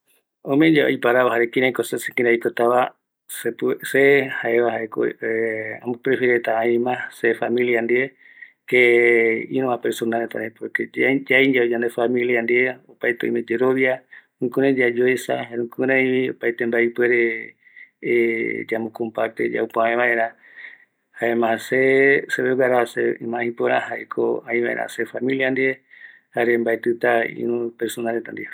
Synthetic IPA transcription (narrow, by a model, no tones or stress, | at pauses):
omẽd͡ʒao̰jpaɾaβaɦaɾekĩɾãjkosesekĩɾajkot̪aβa | sepsehaeβahaeko̰ea̰mupɾefiɾet̪aaĩmãsefamiliand̪ie | keiɾõapeɾsonalt̪a̰ɾepoked͡ʒajɲd͡ʒaod͡ʒand̪efamĩliand̪ieopajt̪eo̰imẽd͡ʒeɾoβja | ũkuɾẽd͡ʒad͡ʒoesa̰haɾũkuɾẽĩβio̰pajt̪embaipweɾe | d͡ʒamõkõmpaɾt̪ed͡ʒa̰upaaẽβaʔe̞ɾa | haemãseseβewaɾaaseimãĩpoɾãɦaekʰo̰ãĩβaʔḛɾa̰sefamĩliand̪ie | haɾembaet̪ɨt̪aḭnũpeɾsonalet̪and̪ie